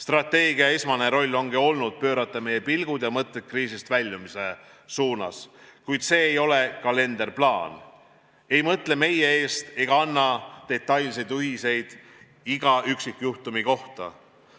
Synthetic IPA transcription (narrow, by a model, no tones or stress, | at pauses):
st̪rɑt̪ːe̞ːɡiɑesmɑne̞ɾo̞lʲːo̞ŋɡio̞lnud̪̥̚pø̞ːɾɑt̪ːˑɑme̞je̞pilɡ̥ud̪̥jɑmɤt̪let̪̚kriːsist̪vælʲːumise̞ | suːnɑ̰skujd̪̥se̞ːjo̞le̞kɑle̞nd̪̥e̞rplɑːn | e̞jmɤt̪le̞me̞jee̞ːst̪e̞ɡ̥ɑɑnːɑt̪e̞t̪ˑːɑjlse̞jd̪yɦise̞jd̪̥ | iɡɑʔyksikjuht̪umiko̞ht̪ɑ̰